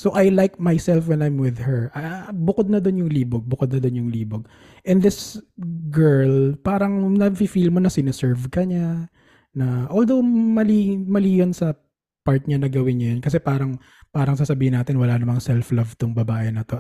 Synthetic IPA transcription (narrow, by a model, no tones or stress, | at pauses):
soʔajlajk̚majsɛlfwɛnajmwɪðhɛɹʔabʊkod̪̚nɐd̪onjʊŋliːboɡ̚bʊkod̪̚nɐd̪onjʊŋliːboɡ̚ | ʔɛ̃nɪsɡɛɹlpaːɾɐŋnɐfifilmonɐsɪnosɛɹvkɐɲa | nɐʔoːld̪owmɐlimɐliːjonsɐ | paɹt̪̚ɲanɐɡɐwɪnɲɐjonkɐs̬ɛpaːɾɐŋ | paːɾɐŋsaːsɐbiːhɪnaːt̪ɪnwɐlaːnɐmɐŋsɛlflɐvt̪ʊŋbɐbaːʔɛnɐt̪o̞